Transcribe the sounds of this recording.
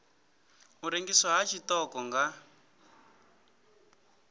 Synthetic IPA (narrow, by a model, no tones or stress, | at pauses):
muɾeŋɡiswaɦat͡ʃʰitɔkɔŋɡa